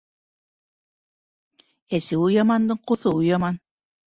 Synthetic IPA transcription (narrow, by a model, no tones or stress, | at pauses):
ɛsiujɑmɑnd̪ɤɴqoθɤujɑmɑn